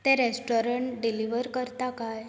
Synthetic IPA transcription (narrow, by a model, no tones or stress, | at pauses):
t̪ɛ̃ɾesʈoɾəɳʈɖiliʋəɾkəɾt̪akaj